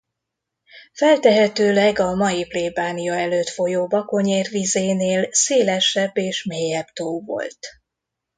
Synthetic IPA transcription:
fɛlt̪ɛɦɛt̪øːlɛɡɒmɒjipleːbaːnijɒɛløːt̪fo̞joːbɒko̞ɲeːrvizeːneːlseːlɛʃɛbːeːʃmeːjɛbt̪oːvo̞̰lt̪

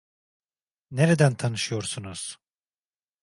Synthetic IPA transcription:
neɾed̪ænt̪ʰanɯʃɯjo̞ɾsunuz̥

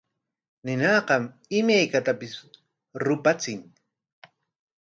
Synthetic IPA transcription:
nɪnɑːqɑm | ɪmajkat̪apɪs | ɾʊpat͡sɪŋ

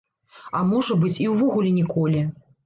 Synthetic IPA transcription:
ɐmɔʐɐbɨt͡sʲiwvɔɣulʲinʲɛkɔlʲi

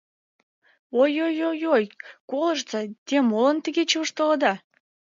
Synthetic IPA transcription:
ojojojojkoləʃt͡sɑt̪ʲemolənt̪əɣet͡ɕəəʃt̪ələd̪ɑ

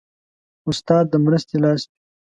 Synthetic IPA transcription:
ʊst̪ɑːd̪̚ːəmɾəst̪elɑːst̪i

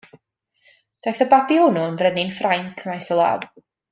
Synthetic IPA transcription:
d̥ajθəbabionɔənvrɛnɪnfrajnkʰəmajθəlˠa̰ːd̥

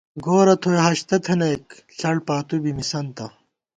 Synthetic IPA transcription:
ɡoːɾɐt̪ʰojɦɐɕt̪ɐt̪ʰɐnɐjk | ɬɐɽpaːt̪ubimisɐnt̪ɐ

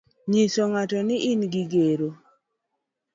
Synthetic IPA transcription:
ɲisoŋatɔnɪʔɪnɡɪɡeɾo

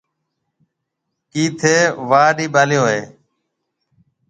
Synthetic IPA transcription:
kiːt̪ʰeːʋaːɗiːɓaːlɪjoːɦeː

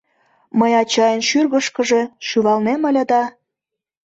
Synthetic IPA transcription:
məjɑt͡ɕɑjənʃyrɣəʃkə̆ʒe̽ʃyβɑlneməlʲə̆d̪ɑ

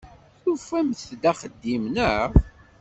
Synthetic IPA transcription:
θufæmθd̪æχəd̪ːimnəʁ

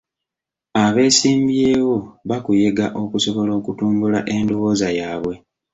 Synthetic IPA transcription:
aβe̞ːsiːmbje̞ːwo̞βakuje̞ɡaʔo̞kuso̞βo̞lo̞ːkutuːmbulaʔe̞ndoβo̞ːzajaːβwe̞

